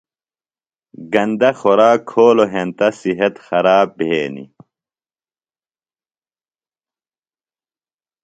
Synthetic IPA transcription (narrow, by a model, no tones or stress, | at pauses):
ɡɐnd̪ɐxoɾaːkʰoːloɦent̪ɐsiɦɐt̪xɐɾaːbʱeːnḭ